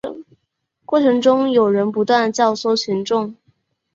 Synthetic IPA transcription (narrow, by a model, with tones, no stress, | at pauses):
kwɔ˥˩ʈ͡ʂʰɤ˧˥ŋʈ͡ʂʊ˥ŋjo˨˩ʊɻə˧˥npu˧˥t̪wa˥˩n˩t͡ɕjɑ˥˧ʊsɔ˥˩t͡ɕʰi˧˥nʈ͡ʂʊ˥˩ŋ